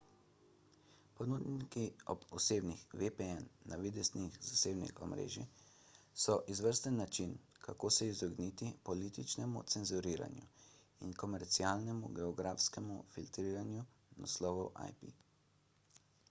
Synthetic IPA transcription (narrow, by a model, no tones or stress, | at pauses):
pɔnud̪nikiɔbɔseːbnixʋepeɛnːaʋid̪ɛsnixzaseːbnḭxɔ̰mɾḛːʒi | sɔʔizʋəɾst̪ɛnːat͡ʃin | kakoːsɛizɔɡnit̪ipɔliːt̪it͡ʃnɛmṵt̪sɛnzuɾiːɾa̰njṵ | inkɔmɛɾt̪siaːlnɛmṵɡɛɔɡɾaːfskɛmṵfilt̪ɾiːɾanju | na̰slɔːʋɔwʔa̰jpḭ